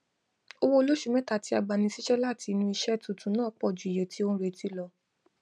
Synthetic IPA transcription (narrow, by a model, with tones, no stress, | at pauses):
o˧wo˦o˧lo˦ʃu˦˧˨mɛ̃˦ta˨ti˧a˧ɡ͡ba˨nĩ˧si˦ʃɛ˦la˦˨ti˧nũ˧i˧ʃɛ˦tũ˨tũ˨˦nãː˦˨˧k͡pɔ˦˨d͡ʒu˨i˨jẽ˨ti˧˦õ˦ɾe˨ti˧˦lɔ˧